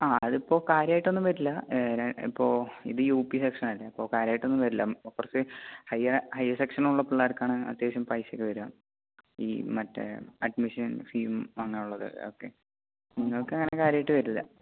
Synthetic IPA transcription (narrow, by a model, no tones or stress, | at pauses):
aːɐðipːo̞ːkaːɾjaːjiʈːo̞nːɨmʋɐɾilːɐɾɐḭpːo̞ːḭðɨjuːpːisekʂɐnɐlːɐipːo̞ːkaːɾjaːjiʈːo̞nːɨmʋɐɾilːɐmokːursɨhɐjɐhɐjɐsekʂɐnuɭːɐpiɭːaːɾkːaːɳɨɐ̰t̪jaːɕɐmprɐjsokːɨʋɐɾuaːm | ḭːmɐtːḛɐɖ̚miʂɐnfiːmɐŋːɐneuɭːɐðɨ̰oːkːe̞̰ | niŋːɐɭkɨɐŋːɐnekaːɾjaːjiʈːɨʋɐɾulːɐ̰